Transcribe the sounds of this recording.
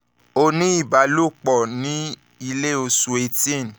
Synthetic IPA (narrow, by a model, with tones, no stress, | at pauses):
o˧nĩ˦i˦˨ba˨lo˦˨k͡pɔ˨nĩ˨˦ | i˧le˦˨o˧su˧e˧tĩ˦˨n˨